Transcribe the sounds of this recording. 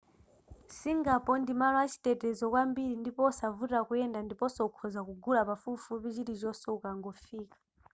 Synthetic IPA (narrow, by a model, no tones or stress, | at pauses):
siŋɡapɔndimalat͡ʃʰi̥tɛtɛzɔkwambiɾindipɔsavutakuɛndandipɔsɔukʰɔzakuɡulapafufupit͡ʃiɾizʷɔsɛukaŋɡɔfiːkḁ